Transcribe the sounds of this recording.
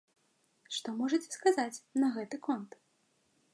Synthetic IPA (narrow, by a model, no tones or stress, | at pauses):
ʂt̪ɔmɔʐɐt͡sʲɛ̥skazat͡sʲnɐɣɛt̪ɨkɔnt̪